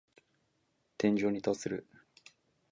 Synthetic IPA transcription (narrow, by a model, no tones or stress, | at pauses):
t̪ẽ̞ɲ̟d͡ʑo̞ːɲ̟it̪asɨɾɯ̟